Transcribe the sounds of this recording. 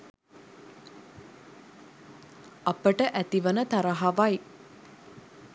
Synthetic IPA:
apəʈəʔæt̪iʋənət̪aɾəɦaʋaj

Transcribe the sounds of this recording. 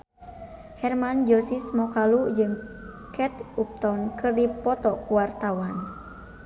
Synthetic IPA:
hɛrmand͡ʒɔsismɔkalud͡ʒɨŋ | kɛt̪up̚t̪ɔnkɨrdipɔt̪ɔkuwart̪awan

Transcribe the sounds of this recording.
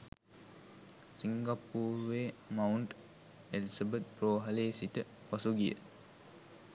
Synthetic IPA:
siŋɡapːuːɾʋeːmauɳʈ | elisabət̪̚proːɦɐleːsit̪ə | pasuɡijə̰

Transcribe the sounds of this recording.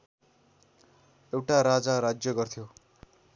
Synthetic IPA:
ewʈaɾad͡zaɾad͡zjʌɡʌrt̪ʰjo

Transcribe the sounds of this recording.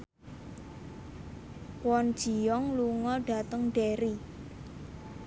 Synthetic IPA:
wɔnd̥ʒ̥i̤jɔŋluŋɔɖ̥a̤t̪əŋɖ̥eɾi

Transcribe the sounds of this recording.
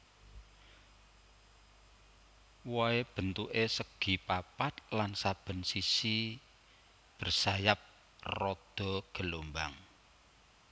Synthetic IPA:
wɔeb̥ə̤nt̪uʔesəɡ̥i̤papat̪̚lansab̥ə̤nsisi | b̥ərsajap̚ | rɔd̪̥ɔ̤ɡ̥ə̤lomba̰ŋ

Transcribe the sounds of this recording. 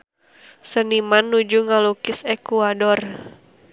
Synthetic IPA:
sənimanːud͡ʒuŋalukɪsekuadɔr

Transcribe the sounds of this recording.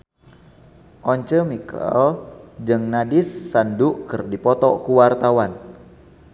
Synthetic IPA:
ʔɔɲt͡ʃəmikə̰ld͡ʒɨŋnadɪsːanduʔkɨrdipɔt̪ɔkuwart̪awan

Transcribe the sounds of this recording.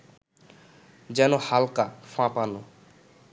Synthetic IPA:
d͡ʒɛnohalkafʰãpanu

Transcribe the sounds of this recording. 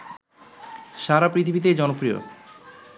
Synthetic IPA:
ʃaɾapɾit̪ʰibit̪̬ed͡ʑɔnopɾio̰

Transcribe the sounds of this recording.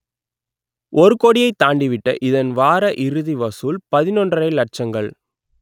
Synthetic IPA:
ʔɔɾɯkɔɽɪjɐɪt̪ːaːɳɖɪʋɪʈːɐ̰ʔɪðɐnʋaːɾɐʔɪɾɯðiʋɐsuːlpɐðɪnɔndrɐɾɐɪlɐʈ̚t͡ʃɐŋɡɐɭ

